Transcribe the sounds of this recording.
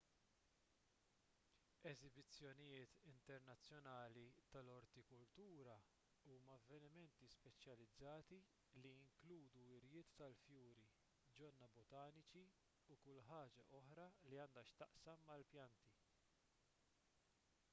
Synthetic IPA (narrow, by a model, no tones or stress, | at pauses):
ɛzɪbɪt͡sːjɔnɪjɪːt̪ɪnt̪ɛɾnɐt͡sːjɔnɐːlit̪ɐlɔɾt̪ikʊlt̪uːɾɐ | uːmɐɐvːɛnɪmɛnt̪ispɛt͡ʃjɐlɪd͡zːɐːt̪i | liɪŋkluːd̪uɪɾjɪːt̪ːɐlfjuːɾi | d͡ʒɔnːɐbɔt̪ɐːnɪt͡ʃi | ukʊlːħɐːd͡ʒɐ̰ʔɔħɾɐliɐːnd̪ɐʃt̪ɐʔsɐmːɐlpjɐnt̪i